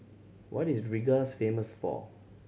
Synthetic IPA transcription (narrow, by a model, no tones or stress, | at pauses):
wʔɔ̰tisɹiɡasfẽməsfɔ̰